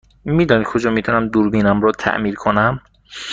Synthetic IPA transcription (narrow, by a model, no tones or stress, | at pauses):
mid̪ɔːnikʰod͡ʒɒːmit̪ʰunæmd̪uɾbiːnæmɾɔt̪ʰæ̰ʔmiːɾkʰonæm